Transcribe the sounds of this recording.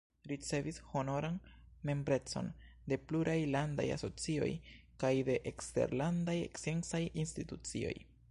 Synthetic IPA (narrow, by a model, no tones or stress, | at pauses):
ɾit͡se̞visho̞no̞ɾan | me̞mbɾe̞t͡so̞̰n | de̞pluɾʔajlanda̰ja̰so̞t͡sio̞̰j | kajde̞ʔekste̞̰ɾlandajḛksensajinstitut͡sḭo̞̰j